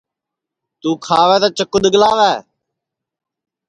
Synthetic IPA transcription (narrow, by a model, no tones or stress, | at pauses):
t̪uːkʰaːʋɛːt̪aːt͡ʃəkːʊd̪əɡəlaːʋɛː